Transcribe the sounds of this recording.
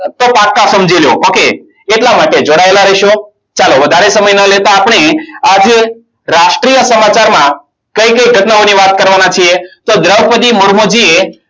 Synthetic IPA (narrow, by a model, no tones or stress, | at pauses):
t̪opakːasəmd͡ʒeljo̰ʔoke | eʈlamaʈed͡ʒoɽaelaɾəʃo | t͡ʃaloʋəd̪ʱaɾesəməjnəlet̪aːpɳ̃ead͡ʒ | ɾaʃʈɾijəsəmat͡ʃaɾmã | kəjkəjɡʱət̪nəoniʋat̪̚kəɾʋanat͡ʃʰiet̪od̪ɾəʋpəd̪imoɽmod͡ʒie